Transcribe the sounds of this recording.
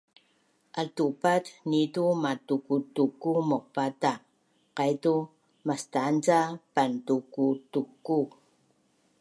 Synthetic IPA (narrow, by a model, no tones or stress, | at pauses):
ʔaltupatnitumatukutukːumoq̚pata | qajtu | mastant͡sapantukutukːu